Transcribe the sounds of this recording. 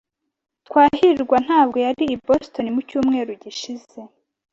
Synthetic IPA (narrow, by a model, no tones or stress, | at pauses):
t̪waːhiɾiɾɡwan̥aːbɡo̞jaɾiːbosto̞nimucuːmŋe̞ːɾuɟiʃize̞